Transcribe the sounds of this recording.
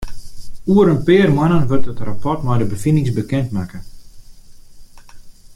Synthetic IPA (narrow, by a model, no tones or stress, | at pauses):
uəɾənpɪːərmanənʋørtətrapɔtmɔjdəbəfinɪŋsbəkɛntmakə